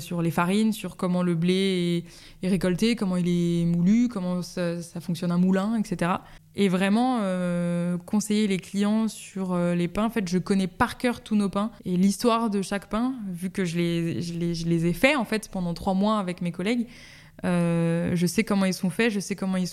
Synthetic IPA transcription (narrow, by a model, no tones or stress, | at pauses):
syʁlefaʁinsyʁkɔmɑ̃ləbleɛː | ʁekɔlt̪ekɔmɑ̃ilɛmulykɔmɑ̃sasafɔ̃ksjɔnɛ̃mulɛ̃ɛkset̪eʁa | evʁɛmɑ̃ø | kɔ̃sɛjeleklijɑ̃s | yʁølepɛ̃ɑ̃fɛt̪ʒəkɔnɛpaʁkʲœʁt̪unopɛ̃elist̪waʁd̪əʃakpɛ̃vykəʒəleʒəleʒəlezɛfɛɑ̃fɛt̪pɑ̃d̪ɑ̃t̪χwamwaːvɛkmekɔlɛɡ | øʒəsɛkɔmɑ̃ilsɔ̃fɛʒəsɛkɔmɑ̃ils